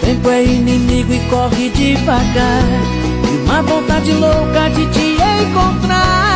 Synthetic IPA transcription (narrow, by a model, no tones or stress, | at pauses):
sẽj̃kɛĩnĩmiɡʊikɔkid͡ʒifaɡa | imavõnt̪ad͡ʒilokad͡ʒit͡ʃiejkõt̪ɾa